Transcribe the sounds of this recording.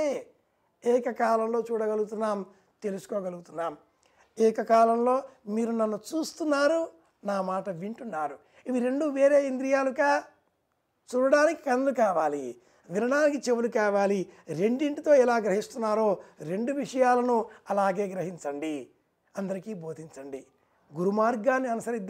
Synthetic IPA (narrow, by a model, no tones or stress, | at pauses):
e | ɛːkɐkaːlɐmlo̞ːt͡ʃuːɽɐɡɐluɡut̪unːaːm | t̪e̞lusu̥koːɡɐluɡut̪unːaːm | ɛːkɐkaːlɐmlo̞ːmiːɾunɐnːut͡ʃuːst̪unːaːɾu | naːmaːʈɐʋiɳʈunːaːɾu | iʋiɾe̞ɳɖuʋe̞ːɾe̞ːind̪ɾijaːlukaː | t͡ʃuːɽɐɽaːniki̥kɐnɐlukaːʋaːli | ʋiɾɐɳaːnik̬it͡ʃe̞ʋulukaːʋaːliɾe̞ɳɖiɳʈit̪o̞ːɛlaːɡɾɐɦist̪unːaːɾo̞ːɾe̞ɳɖuʋiʂɐjaːlɐnuɐlaːɡe̞ːɡɾɐɦiɲt͡ʃɐɳɖi | ɐnd̪ɐɾikiːbʱo̞ːd̪ʱiɲt͡ʃɐɳɖi | ɡuɾumaːɾɡaːnːiɐnusɐɾid̪ː